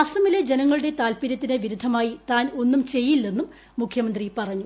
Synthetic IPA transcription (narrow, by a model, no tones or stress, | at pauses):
ɐsɐmiled͡ʑe̞nɐŋːɐɭuɽe̞t̪aːlpiɾɐt̪ːineʋiɾud̪ʱɐmaːjit̪aːno̞nːumt͡ɕe̞jːilːenːumː | ukʰjɐmɐnd̪ripɐrɐɲːu